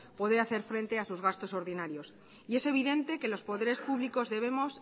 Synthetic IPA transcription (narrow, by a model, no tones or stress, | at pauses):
po̞ðeaθe̞ɾfɾẽ̞nt̪e̞asuzɣ̞ast̪o̞so̞ɾðinaɾjo̞s | ie̞se̞β̞iðe̞nt̪e̞ke̞lo̞spo̞ðe̞ɾe̞spuβliko̞zðe̞β̞e̞mo̞s